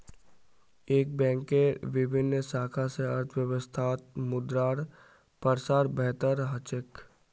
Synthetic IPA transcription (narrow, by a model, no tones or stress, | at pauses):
eːk̚bɛ̃ːŋkeɾʋɪbʱɪnːsaːkʰaseɐɾt̪ʰʋjəʋəst̪ʰaːt̪̚mʊd̪ɾaːɾ | pəɾsaːɾbɛɦt̪əɾɦət͡ʃɪk